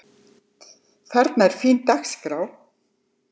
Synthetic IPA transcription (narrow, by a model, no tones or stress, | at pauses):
θʰɛɾt̪nɛɾ̥fiːnt̪axskɾaːw